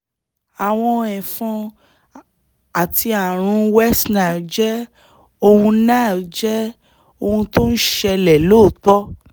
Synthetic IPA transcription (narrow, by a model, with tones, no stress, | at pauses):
a˨w̃ɔ̃˧ɛ̃˨fɔ̃˧ | a˨ti˧a˨ɾ̃ũ˧wɛ˦sna˨d͡ʒɛ˦ | o˧hũ˧nãː˦˨d͡ʒɛ˦ | o˧hũ˧to˦n̩˦ʃɛ˧lɛ˨loː˦˨tɔ˦